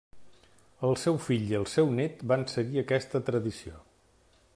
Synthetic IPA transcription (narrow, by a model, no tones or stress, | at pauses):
əlˠsɛwfiʎiəlˠsɛwnet̪bansəɣiəkɛst̪ət̪ɾəðisio̰